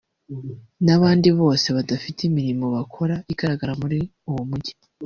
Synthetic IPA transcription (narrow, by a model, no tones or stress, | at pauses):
naβaːndiβo̞ːse̞βadafitimiɾimo̞βakʰo̞ɾaiɡ̥aɾaɡaɾamuɾi | uwomuɟi